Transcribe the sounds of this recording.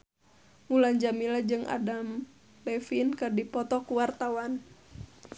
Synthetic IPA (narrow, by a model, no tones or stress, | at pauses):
muland͡ʒamilad͡ʒɨŋʔa̰dam | bɛfinkadipɔt̪ɔkuwart̪awan